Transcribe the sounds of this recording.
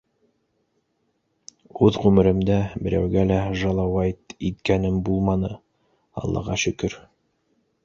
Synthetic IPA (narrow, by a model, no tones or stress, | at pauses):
ʉðʁʉmɘ̆ɾɘ̆md̪æbɘ̆ɾʔæwɡælæʒɑlˠɑwɑjt̪it̪kænɘmbulˠmɑnɤ | ɑ̰lˠːɑ̰ʁɑʃɵ̆kɵɾ